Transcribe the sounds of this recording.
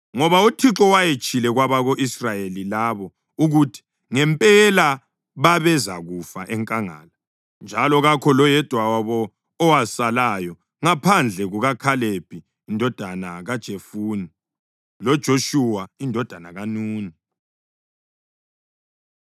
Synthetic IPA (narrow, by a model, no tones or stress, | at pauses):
ŋɔβautʰiǁɔwajet͡ʃʼilɛɣwaβaɣoʔisrajelilaβɔ | uɣutʰi̥ | ŋɛmpʼɛla | βaβɛzaɣufaʔɛŋkʼaŋa̰ːla | nd͡ʒʱalɔɣakʰɔlɔjɛd̥ʱwawaβɔː | wasalaːjɔ | ŋapʰand͡ɮʱɛɣuɣakʰaleb̥ʱiː | ndʱɔd̥ʱanaɣad̥ʒ̥ʱefuni | lɔd̥ʒ̥ʱoʃuwaindʱɔd̥ʱanaɣanuːni